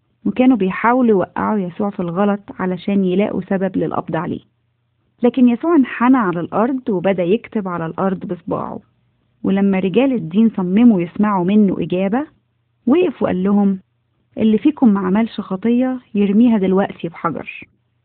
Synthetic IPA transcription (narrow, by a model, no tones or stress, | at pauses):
wekæːnubejħaːwelujwæʔːa̰ʕujæsuːʕfilɣɑlɑt̪ˤʕa̰læʃæːnjelæ̰ːʔṵsæbæblelʔɑ̰b̚d̪ˤɑʕalḛː | læːkenjæsuːʕenħanæʕalælʔɑɾˤd̪ˤwebæd̪æjekt̪ebʕalælʔɑɾˤd̪ˤbesˤbɑ̰ːʕṵ | welæmːæɾeɡæːled̪ːiːnsˤɑmːemujesmaʕumenːo̰ʔɪɡæːbæ | weʔfweʔæ̰lːʊɦom | ʔelːifiːkomːaʕmæːlʃɑxɑt̪ˤejːɑjeɾmiːɦæd̪elwæʔt̪ʰibħɑɡɑ̰ɾˤ